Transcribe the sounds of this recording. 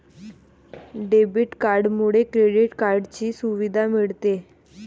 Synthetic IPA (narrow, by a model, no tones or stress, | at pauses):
ɖebiʈkaɾɖmuɽekɾeɽiʈkaɾɖt͡ɕiːsuʋid̪ʱamiɭt̪e